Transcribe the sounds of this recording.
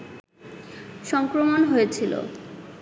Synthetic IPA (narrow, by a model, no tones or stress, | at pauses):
ʃɔŋkɾomonɦojet͡ɕʰilo̰